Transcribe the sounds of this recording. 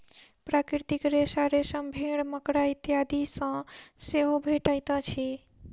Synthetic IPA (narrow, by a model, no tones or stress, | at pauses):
pɾakɾɾt̪ikɾesaɾesə̃mbʱeɽməkɽait̪jad̪isə̃seɦobʱeʈəjt̪ə̃t͡ʃʰi